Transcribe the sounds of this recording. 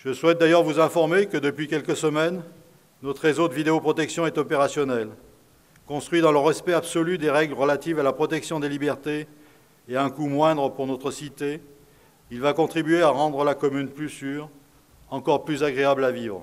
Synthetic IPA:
ʒ̥əswɛt̪̚d̪ajœʁvuzɛ̃fɔʁmekəd̪əpɥikʲɛlkəsəmɛnː | ɔt̪χezod̪əvid̪eopχɔt̪ɛksjɔ̃ɛt̪ɔpeʁasjɔnɛl | kɔ̃st̪χwɥid̪ɑ̃ləʁɛspɛabsɔlyd̪eʁɛɡləʁəlat̪ivalapχɔt̪ɛksjɔ̃d̪elibɛʁt̪eː | aɛ̃kumwɛ̃d̪ʁəpuʁnɔt̪χəsit̪e | ilvakɔ̃t̪χibyeaʁɑ̃d̪ʁəlakɔmynplysyːʁ | ɑ̃kɔʁplyzaɡʁeablavivʁ

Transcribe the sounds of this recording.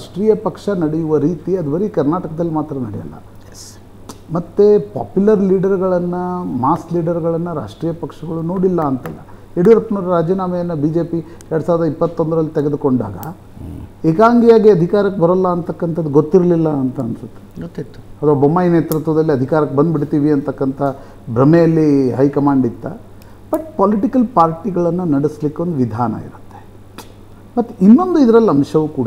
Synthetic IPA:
ɾaʂʈɾiːjɐpɐkʂɐnɐɽɛjuʋɐɾiːt̪iɐd̪ubɐɾikɐɾnaːʈɐkɐd̪ɐlːimaːt̪ɾɐnɐɽɛjɐ̰lːɐ̰ | s | mɐt̪ːepa̰ːpjulɐɾliːɖɐɾɡɐɭɐnːɐmaːskliːɖɐɾɡɐɭɐnːɐɾa̰ːʂʈɾiːjɐpɐkʂɐɡɐɭuno̞ːɽilːɐːnt̪ɐlːɐ̰ | eɽuɾɐpːnuːɾɐɾaːd͡ʒɐnaːmɐjɐnːɐbiːd͡ʒeːpi | ɛɾɽusaːʋɐɾd̪ɐipːɐt̪ːo̞nd̪ɐɾɐlːit̪ɛɡe̞d̪uko̞ɳɖa̰ːɡɐ̰ | eːkaːŋɡijaːɡiɐd̪ʱikaːɾɐkːebɐɾɐlːɐːnt̪ɐkːɐnt̪ʰɐd̪ːuɡot̪ːiɾɐlilːɐːnt̪ɐnsɐt̪ːe̥ɡot̪ːit̪ːu̥ɐt̪ʰʋaːbomːaːjneːt̪ɾut̪ʋɐd̪ɐlːiɐd̪ʱikaːɾɐkːebɐnd̪biɽt̪iːʋiɐnt̪ɐkːɐnt̪ʰɐ | bɾɐmejɐlːiɦɐjkɐmaːɳɖit̪ːɐ̰ | b̥ɐʈpaːliʈikɐlpaːɾʈiɡɐɭɐnːunɐɽislikːeo̞nd̪uʋid̪ʱa̰ːnɐ̰ḭɾut̪ːe | mɐt̪ːuinːo̞nd̪uid̪ɐɾɐlːɐmʂɐʋukuːɽ

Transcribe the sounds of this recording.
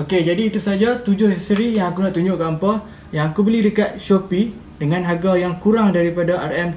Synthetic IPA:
oked͡ʒadiːt̪usad͡ʒat̪ud͡ʒʊhhist̪əɾijaŋakunaʔt̪uɲd͡ʒʊʔkaəmpa | jaŋakubəlɪhdəkat̪̚ʃopi | dəŋãnɦaɡajaŋkuɾaŋdaɾipadaʔarɛm

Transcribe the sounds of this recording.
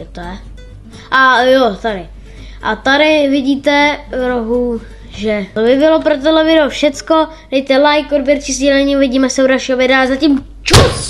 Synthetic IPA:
ɛt̪oɛ | ʔajot̪aɾɪ | ʔat̪aɾɪvɪɟiːt̪ɛvɾoɦu | ʒɛlvɪvɪlopɾot̪odlɛvɪdɛlofʃɛt͡sko | d̥ɛjt̪ɛlajkodbjɛɾt͡ʃɪzɟɛlɛɲiːuvɪɟiːmɛsɛudalʃiːɦovɪdɛazacim | t͡ʃus

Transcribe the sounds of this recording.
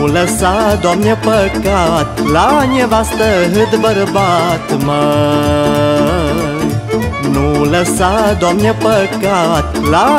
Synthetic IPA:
ləsad̪ɔmjəpəkat̪laɲəʋast̪əɦɨd̪bəɾbat̪mə | noləsad̪ɔmjəpəkat̪la

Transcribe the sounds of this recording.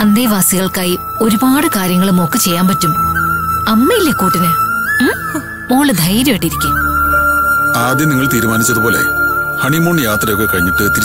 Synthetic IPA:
ɐnd̪eːʋaːsiɣɐɭkaːji | o̞ɾubaːɽɨkaːɾjɐŋːɐɭumo̞ːkːɨt͡ɕe̞jːaːmpɐtːum | ɐmːɐjilːekuːʈːinɨ | moːɭɨd̪ʱɐjɾeʈːiɾikʲːum | aːd̪jɐmniŋːɐɭt̪iːɾumaːnit͡ɕːɐðubo̞ːle̞̰hɐɳimoːɳjaːt̪rɐjo̞kːe̞kɐɻiɲːiʈːɨet̪ːiɾ

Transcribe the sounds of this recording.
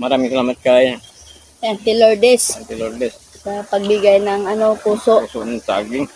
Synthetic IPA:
maɾamiŋsalaːmat̪̚kaːjaŋ | ant̪ɪloɹd̪ɛsant̪iloɾd̪ɛs | sɐpɐɡ̚bɪɡajnɐŋɐnopuːsoʔsoʔnansaa̰ɡɪŋ

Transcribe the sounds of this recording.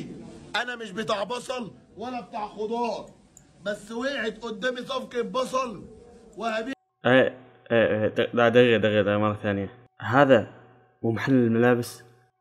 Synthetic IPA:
ʔænæmɪʃbet̪aʕbɑsˤɑl | wælːæb̚t̪aʕxod̪ˤɑːɾˤ | bæsːweːʕed̪ʔʊd̪ːæːmisˤɑfkebɑs̬ˤɑlwæhæbi | ʔeː | ʔed̪ad̪aɣjad̪ɣjad̪aɣmɑrˤːɑθaːnɪja | ɦaːða | wmħalːɪlmalaːbɪs

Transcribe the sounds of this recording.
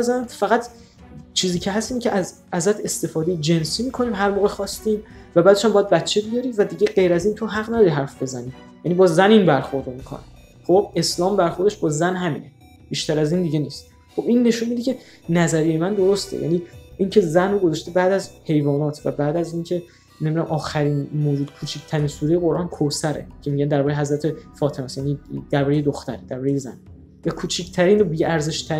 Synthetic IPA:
æzænmfæɣæt̪ʰ | t͡ʃʰiːziːcʰeɦæst̪iːmcʰeʔæz | æzæt̪ʰe̞st̪e̞fɒːd̪e̞jed͡ʒe̞nsiːmiːkʰo̞niːmɦæɾmoːɣexɒːst̪iːm | væbæːd̪eʃæmbɒːjæd̪̚bæt̪t͡ʃʰebijɒɾivæd̪iːɟeɢe̞jɾæziːnt̪ʰoɦæɣnæd̪ɒɾiɦæɾfbe̞zæniː | jænibɒːzæniːnbæɾxo̞ɾd̪omikʰo̰næ̰ | χobe̞slɒːmbæɾxoɾd̪eʃbɒːzænɦæmḭːne̞ | b̥iːʃt̪æɾæziːnd̪iɟe̞niːst̪ | χo̞binːe̞ʃunmid̪icʲʰe̞ | næzæɾijemænd̪o̞ɾost̪ʰḛjæ̰niːiːncʰe̞zænroɡozɒʃt̪ebæːd̪æzhe̞jvɒːnɒːt̪ʰvæ̰bæːd̪æziːncʰe̞ | nembinæmʔɒːxæɾiːnmoːd͡ʒuːd̪̥kʰuːt͡ʃʰicʰt̪ʰæɾiːnsuːɾejeɣo̞ɾʔɒːnkʰosæɾḛcʰe̞miːɟænd̪æɾbɒːɾejeɦæzɾæt̪ʰe̞fɒːt̪ʰemæːsjæːnid̪̥æɾbɒːɾejed̪oxt̪æɾed̪æɾbɒːɾejezæ̰ni | vækʰuːt͡ʃʰicʰt̪ʰæɾiːnobiæɾze̞ʃt̪ʰæ

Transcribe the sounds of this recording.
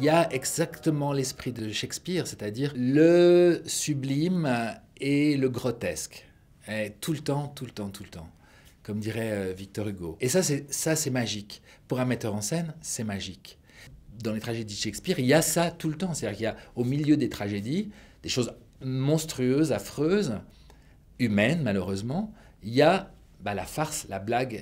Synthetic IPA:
iljaɛɡzakt̪əmɑ̃lɛspχid̪əʃɛkspiʁset̪ad̪iːʁləsyblim | eləɡʁɔt̪ɛsk | ɛt̪ʰulət̪ɑ̃t̪ulət̪ɑ̃t̪ʰulət̪ɑ̃ | kɔmd̪iʁɛøvik̚t̪ɔʁyɡoesasɛsasɛmaʒik | puʁɛ̃mɛt̪œʁɑ̃sɛnsɛmaʒik | d̪ɑ̃let̪χaʒed̪idʃɛkspiʁiljasat̪ulət̪ɑ̃set̪ad̪iʁkiljaomiljød̪et̪χaʒed̪i | d̪̥eʃoz | mɔ̃st̪χyøzafχøz | ymɛnmaløʁøzmɑ̃ | ija | balafaʁslablaɡ

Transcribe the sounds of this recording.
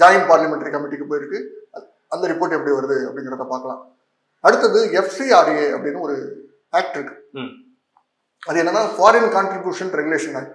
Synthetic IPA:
d͡ʒaːjɪnpaːɾlɐmɛɳʈɐɾikɐmɪʈːikːɯpːoːjɪɾɯkːɯ | ɐnd̪ɐɾɪpoːɾʈːɛpːɐɽiʋɐɾɐðɯɐpːɐɽɪŋɡɐɾɐðaːpaːɾkɐlã̰ː | ɐɽɯt̪ːɐðɯɛfsiaːɾeːɐ̰pːɐɽɪnːɯɔɾɯ | aːk̚ʈɪɾɯkːɯ̥ | ɐðɯɛnːɐnːaːfaːɾɐnkaːɳʈɾɪbjuːʂɐnɾɛɡʊleːʂɐnːɐ

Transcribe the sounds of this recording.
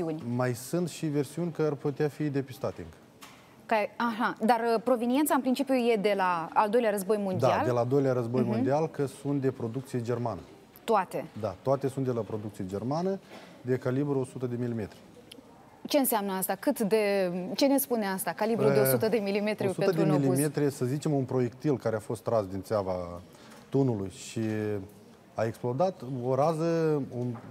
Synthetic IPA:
siunʲmajsɨnt̪ʃive̞rsiunʲkəarput̪eafid̪e̞pist̪at̪eɨ̰ŋkə̥ | kaaʃad̪arpɾo̞venije̞nt̪saɨnpɾint͡ʃipijuje̞d̪e̞laːld̪o̞jleaɾəzbo̞jmond̪aald̪elaːld̪o̞jleaɾəzbojmond̪ialkəsunt̪̚d̪e̞pɾo̞d̪ukt̪sijed͡ʒe̞rmanə̰ | t̪oat̪e̞d̪at̪oat̪e̞sunt̪d̪e̞lapɾo̞d̪ukt̪sijed͡ʒe̞rmanəd̪e̞kalibɾuosut̪əd̪e̞milime̞t̪ɾi | t͡ʃe̞ɨnseamnəast̪akɨt̪d̪e̞t͡ʃe̞ne̞spuneast̪akalibɾueosut̪əd̪emilimet̪ɾʲusuədɾemmilimet̪ɾʲisəzit͡ʃe̞munpɾo̞je̞k̚t̪ilkaɾeafo̞st̪ːɾasd̪int̪seava | t̪unulujʃi | ae̞ksplod̪at̪o̞ɾazəo

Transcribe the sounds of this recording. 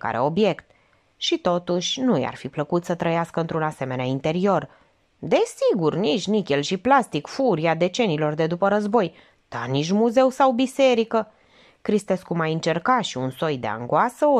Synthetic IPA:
ka̰ɾḛo̞bje̞kt̪̚ | ʃit̪o̞t̪uʃʲnuja̰rfipləkut̪sət̪ɾəjaskəɨnt̪ɾunase̞me̞neaint̪e̞ɾio̞r | d̪e̞siɡurnit͡ʃnikʲelʃiplast̪ikfuɾiad̪e̞t͡ʃe̞niːlo̞rd̪e̞d̪upəɾəzbo̞j | d̪̥aniʃmuze̞wsawbise̞ɾikə | kɾist̪e̞skumajɨnt͡ʃe̞rkaʃiunso̞jd̪e̞̰a̰ŋɡoasəo

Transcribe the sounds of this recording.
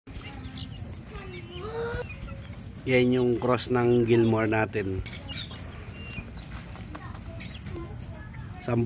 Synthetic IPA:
jaɲuŋkɾɔsnaŋɡilmɔrnat̪ɪn | samb

